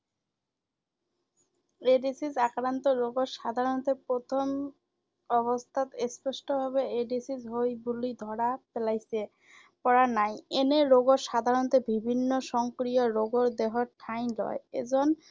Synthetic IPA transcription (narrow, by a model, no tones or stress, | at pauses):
eɖisisakɾant̪oɾoɡoɾʃad̪ʱaɾont̪eɾpɾot̪ʰom | ɔbost̪ʰat̪espoʃʈobʱaβeeɖisid͡ʑɦojbulid̪ʱɔɾapelajse | pɔɾanajeneɾoɡoɾʃad̪ʱaɾont̪ebibʱinːoʃɔŋkɾioɾoɡoɾd̪eɦoɾʈʰajnlɔ̰eḛd͡ʑon